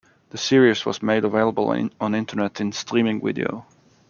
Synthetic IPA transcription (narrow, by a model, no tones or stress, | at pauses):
ðɨsɪɹizwʌ̰zmeɪɾəveɪlˠəbəl̩̰ˠə̃nɪ̃ntʰə˞nɛɾɨ̃nstʰɹ̥ĩmɪ̃ŋvɪ̰dḭo̰ʊ